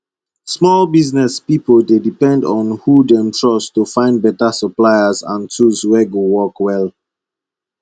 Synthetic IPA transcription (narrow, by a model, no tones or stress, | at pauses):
smɔlbiznɛspipəldedipɛ̃ndɔ̃nhudɛ̃mtʰɹɔstufãɪ̃nd̚bɛtasəplaɪəzã̰ntʰuzwɛɡowɔkwɛl